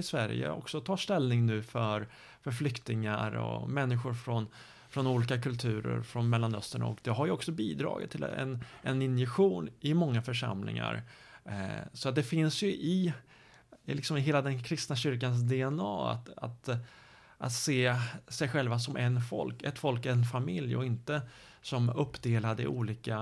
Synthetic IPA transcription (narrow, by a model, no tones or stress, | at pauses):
ɪsvæɾjə̰ɔ̰ksɔt̪ʰɑːʂt̪ɛlnɪŋnʉ̟ːfœɾ | fœɾflʏkt̪ɪŋaɾɔ̰mɛnːɪɧʊɾfɾɔn | fɾɔnuːliːkakʰɵlt̪ʰʉ̟ːɾə̰ɾfɾɔnmɛlːanœst̪əɳa̰ɔ̰kd̪ɛɦaɾjəɔksɔbiːd̪ɾɑ̰ːɡɪ̰t̪ʰːɪlɛ̰nɛnɪnjɛɧuːnɪmɔŋːafœʂa̰mlɪ̰ŋa̰ɾ | sɔat̪̚d̪ɛfɪnsjɵʔɪ | lɪksɔmɪɦeːlad̪ɛnkʰɾɪst̪naɕʏɾkans̬d̪ɛɛnɑːa̰t̪a̰t̪ | ʔa̰t̪seːsɛjɧɛlvasɔmʔɛnfɔ̰lkɛt̪fɔlkɛnfamɪljɔ̰ɪnt̪ə | sɔmɵpːd̪eːlad̪əɪ̰ʔuːliːka